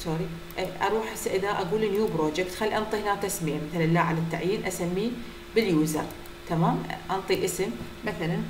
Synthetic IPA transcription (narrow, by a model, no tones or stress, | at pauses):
soːɾi | ʔʔɑ̰ɾˤuːħʔɪsʔɪðaʔaɡuːlinjuːbɾoːd͡ʒɪkt̪xalːiʔɑnt̪ˤihɪnaːk̚t̪asmɪjamaθalanlaːʕalat̪ːaʕjiːnʔasamːi | bɪljuːzɑ̰ɾˤ | t̪amaːmʔɑnt̪ˤiʔɪsɪmː | aθalan